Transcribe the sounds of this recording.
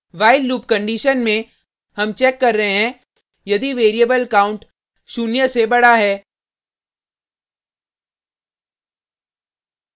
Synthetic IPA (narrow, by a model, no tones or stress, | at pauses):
ʋaːɪlːuːp̚kɐ̃ɳɖiːʃənmẽ | hɐmt͡ʃɛːkːɐɾːəɦeɦɛ̃ | jɐd̪iʋeːɾijəbəlɐkaːʊ̃ɳʈ | ʃuːnjəsebɐɽaɦɛː